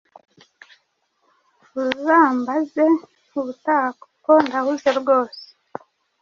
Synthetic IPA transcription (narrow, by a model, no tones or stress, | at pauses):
βuɾuzaːmbaze | uβutaːkkondahuze̞bɡo̞ːse̥